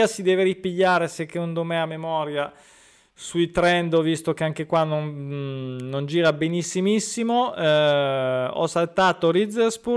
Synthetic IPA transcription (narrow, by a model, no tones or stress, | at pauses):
asid̪ɛːveɾipiʎːaːɾesekːeund̪omɛamːemɔːɾja | suit̪ɾɛnd̪vist̪okeaŋk̟ekwanːon | nond͡ʒiːɾabenisːimisːimo | ɔ̰sːalt̪aːt̪oɾid̪zeɾsbu